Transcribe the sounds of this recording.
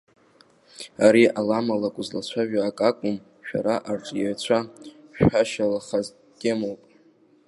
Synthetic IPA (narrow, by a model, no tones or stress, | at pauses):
aɾiʔalamalakʷʼʊzlat͡ɕʷʰaʒᶣaːkʼakʷʼʊm | ʃᶣa̰ɾaʔarʈ͡ʂʼjaɥt͡ɕʷʰaʃᶣaʃalaχaz | ɡʲʼemowpʼ